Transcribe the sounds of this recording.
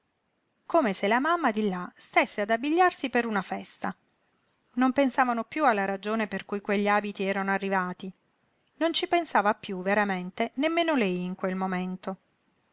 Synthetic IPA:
komeselamamːad̪ilːast̪esːead̪abːiʎːarsipeɾunafɛst̪a | nompensaːvanopjualːaɾad͡ʒoːneperkujkweʎːiaːbit̪iɛːɾanoarːivaːt̪i | nont͡ʃipensaːvapjuveɾament̪enemːeːnolɛjiŋkwelmoment̪o

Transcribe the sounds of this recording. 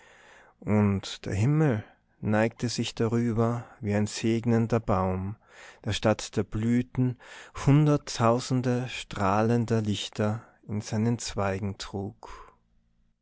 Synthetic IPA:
ʔʊntd̥ḛːɐɦɪml̩ | naɪk̚təzɪçd̥aʁyːbɐviːaɪnzeːɡnəndɐbaʊm | d̥eːɐʃtatd̥eːɐblyːtn̩hʊndɐtʰːaʊzn̩dəʃtʁ̥aːləndɐlɪçtʰɐ | ɪnz̥aɪnənt͡sv̥aɪɡŋ̩tʁ̥uːk

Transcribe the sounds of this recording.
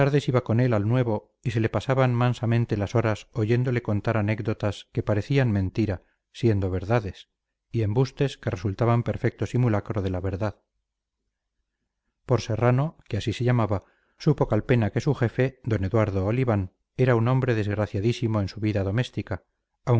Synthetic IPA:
aɾðe̞siβako̞nelalnwe̞βo̞ | ise̞le̞pasaβanmansamẽnt̪e̞laso̞ɾaso̞ʝe̞nd̪o̞le̞ko̞nt̪aɾane̞kd̪o̞t̪aske̞paɾe̞θianmẽnt̪iɾa | sje̞nd̪o̞β̞e̞ɾðaðe̞s | ie̞mbust̪eske̞re̞sult̪aβampe̞ɾfe̞k̚t̪o̞simulakɾo̞ð̞e̞laβe̞ɾðað | po̞ɾse̞rano̞keasise̞ʎamaβa | supo̞kalpe̞nake̞suxe̞fe̞d̪o̞ne̞ðwaɾðo̞ːliβan | e̞ɾaunõ̞mbɾe̞ðe̞zɣɾaθjaðisimoe̞nsuβiðaðo̞me̞st̪ikaː | w

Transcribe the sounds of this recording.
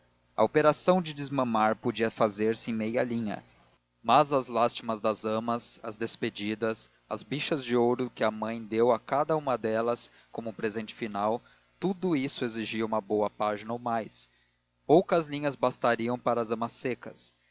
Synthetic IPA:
ɐ̰opeɾasɐ̃w̃d͡ʒɪd͡ʒɪzmɐ̃maɾpod͡ʒiɐfazeɾsɪẽj̃mejɐlĩɲɐ̰ | mɐzɐzlast͡ʃimɐzd̪ɐzɐ̃mɐsɐ̰zd̪esped͡ʒid̪ɐs | ɐ̰zbiʃɐzd͡ʒɪowɾʊkɪɐmɐ̃j̃d̪ewɐkad̪ɐũmɐd̪ɛlɐs | kõmʊpɾezẽnt͡ʃɪ̥finaw | t̪ud̪ʊisʊeziʒiɐũmɐbowɐpaʒinɐowmajs | powkɐzlĩɲɐzbast̪aɾiɐ̃w̃paɾɐzɐ̃mɐsːekɐ̰s

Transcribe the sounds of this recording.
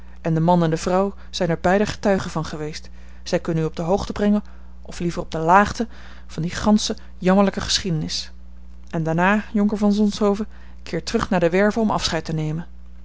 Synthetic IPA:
ʔɛndəmɑnɛndəvrʌw | z̥ɛjnɛɹbɛjdəχə̥tœɥχənvɑnχəʋejst | z̥ɛjkɵnənyɔb̚dəɦowχtəbrɛŋən | ɔflivərɔb̚dəlaːχtə | v̥ɑndiχɑnsə | jɑməɹləkəχə̥sχidənɪs | ʔɛndaːɹnaːjɔŋkəɹvɑnzɔnsɦowvə | kɪːɹtərɵχnaːɹdəʋɛɹvəɔmɑ̰fsχɛjtənejmən

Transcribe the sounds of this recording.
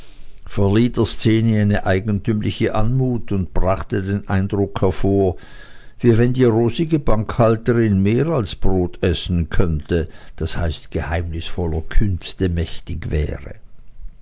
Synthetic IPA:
fɛɐliːtdəɐst͡seːnəaɪnəʔaɪɡən̩tʰymlɪçəʔanmuːtʊntb̥ʁaχtədeːnʔa̰ɪndʁʊkhɛɐfoːɐ | viːvɛndiːʁoːsɪɡəbaŋkhaltəʁɪnmeːʁalsb̥ʁoːtʰɛsn̩kʰœntəd̥ashaɪstɡ̥əhaɪmnɪsfɔlɐkʰʏnstəmɛçtɪçvɛ̰ːʁə̰

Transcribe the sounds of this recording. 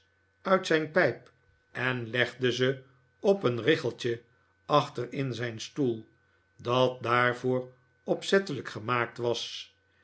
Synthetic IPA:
œɥtsɛjnpɛjp | ɛnlɛχdəzə | ɔpənrɪχəlˠt͡ʃə | ɑχtərɪnzɛjnstulˠ | dɑt̚d̪aːɹvoːɹ | ɔpsɛt̪ələkχəmaːk̚tʋɑs

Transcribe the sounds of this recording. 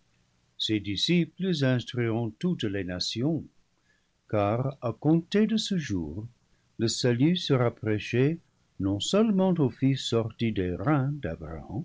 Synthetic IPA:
sedisipləzɛ̃stʁiʁɔ̃tutlenasjɔ̃ | kaʁakɔ̃tedəsəʒṵːʁ | ləsalysəʁapreʃe | nɔ̃sœlmɑ̃tofisːɔʁtideʁɛ̃d̪a̰bʁa̰ɑ̰̃

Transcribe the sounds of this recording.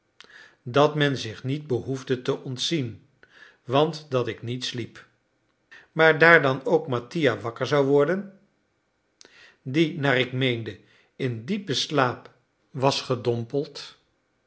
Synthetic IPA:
dɑtmɛnzɪχnid̚bəɦuvdətəʔɔntsin | ʋɑntdɑtɪknitslip | maːɹdaːɹdɑnowkmatijaʋɑkəɹzɑwʋɔɹdən | dinaːɹɪkmejndə | ɪndipəslaːp | ʋɑsχədɔmpəlˠt

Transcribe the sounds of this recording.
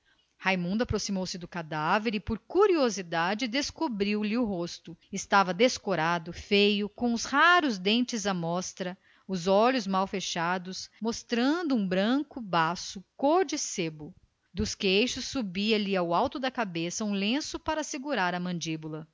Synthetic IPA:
hajmũnd̪ʊapɾosimowsɪd̪ʊkad̪aveɾɪpoɾkuɾiozid̪ad͡ʒɪd̪eskubɾiwlɪʊɦost̪ʊɪst̪avɐd̪eskoɾad̪ʊfejʊkõʊshaɾʊzd̪ẽnt͡ʃɪzɐmɔst̪ɾɐ | ʊzɔʎʊzmawfeʃad̪ʊsmost̪ɾɐ̃nd̪ʊũbɾɐ̃kʊbasʊkoɾd͡ʒɪsebʊ | d̪ʊskejʃʊsːubiɐliawawt̪ʊd̪ɐkabesɐũlẽsʊpaɾɐsɪɡuɾaɾɐmɐ̃nd͡ʒibulɐ

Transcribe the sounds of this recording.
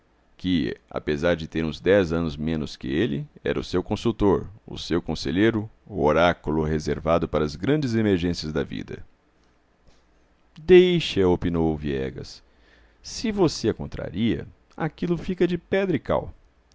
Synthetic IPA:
kɪa̰pezaɾd͡ʒɪt̪eɾũzd̪ɛzɐ̃nʊzmẽnʊskɪelɪɛ̰ɾʔɐʊsewkõsut̪oɾʊ̰sewkõseʎejɾʊoɾakʊlʊɦezeɾvad̪ʊpaɾɐːzɡɾɐ̃nd͡ʒɪzemeɾʒẽsiɐzd̪ɐvḭd̪ɐ̰ | d̪ejʃɐopinowʊviɛ̰ɡɐ̰sː | ɪvoseɐkõnt̪ɾa̰ɾiɐ̰ | a̰kilʊfikɐd͡ʒɪpɛd̪ɾɪka̰w

